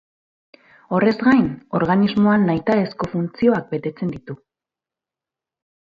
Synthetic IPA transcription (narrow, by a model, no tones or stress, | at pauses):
o̞re̞zɣɡajno̞ɾɣanizmo̞anːajt̪ae̞sko̞funt͡sio̞ak̚be̞t̪e̞t͡se̞nd̪it̪u